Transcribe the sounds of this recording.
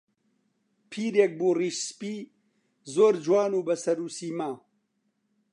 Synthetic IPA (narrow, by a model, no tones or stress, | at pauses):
pʰiːɾjɛk̚buːriːʃspiː | zoːɾd͡ʒwaːnuːbɐsɐɾuːsiːmaː